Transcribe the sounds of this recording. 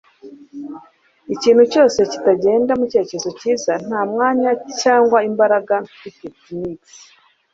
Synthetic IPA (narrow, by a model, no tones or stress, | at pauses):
iciːnhuco̞ːse̞ci̥taɟe̞ːndamuce̞ːceezo̞ciːzan̥haːmŋaːɲacaːŋɡwaimbaɾaɡan | iketiniksi̥